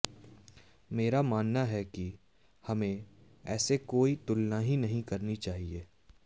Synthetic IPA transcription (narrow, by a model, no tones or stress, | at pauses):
meːɾamaːnːaɦɛki | hɐmẽ | ɛːsekoːit̪ʊlnaɦinɐɦĩkɐɾnit͡ʃaːɦieː